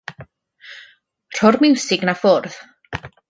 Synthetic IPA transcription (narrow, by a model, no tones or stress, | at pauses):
r̥ɔrmɪwsɪɡnafʊrð